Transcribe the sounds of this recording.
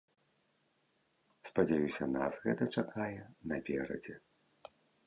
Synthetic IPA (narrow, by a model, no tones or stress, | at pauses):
spɐd͡zʲajusʲɐnasɣɛt̪ɐt͡ʂakʰajɛnɐpʲɛɾɐ̰d͡zʲɛ